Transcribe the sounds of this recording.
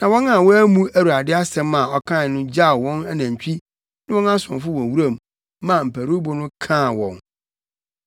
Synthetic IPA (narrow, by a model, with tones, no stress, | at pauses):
nã˨wɔ̃˦na˨wɔ˦æ˦mũ˦æ˦˨wu˨a˨dɪ˦a˦sɛ̃˦ma˨ɔ˨˦kʰã˦˨nʊ̃˦d͡ʑa˦˨wɔ̃˦na˦næ̃˨ɲ˨t͡ɕᶣi˦ | nɪ̃˦wɔ̃˦nã˦sʊ̰̃˨fʊ˦wɔ̃˨wu˦ɾa˦˨mː | ã˨m̩˨pʰæ˨ɾu˦bʊ˨nʊ̃˦kʰã˦˨wɔ̰̃˨n